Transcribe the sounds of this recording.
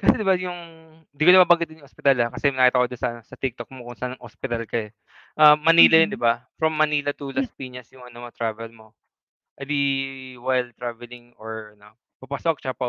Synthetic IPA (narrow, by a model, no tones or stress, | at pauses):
kɐsɛd̪ɪbajʊŋ | ɪnd̪ikonɐbabɐŋɡɪt̪̚ːɪnjʊŋʔospɪt̪alɐkɐsɛjmnɐkit̪ɐkod̪onsɐʔɐno̞sɐt̪ɪk̚t̪ok̚mokʊŋsɐʔanɐŋhospɪt̪ɐlkɐjo | ʔaːɐniːlɐjond̪ɪbafɾɐmːɐniːlɐt̪ʊlɐspiːɲɐsjʊŋʔɐnot̪ɾaːvɛlmo̞ | ʔɛd̪iwɛlt̪ɾaːvɛlɪŋoɹʔɐno̞ | pɐpɐsok̚t͡ʃapɐ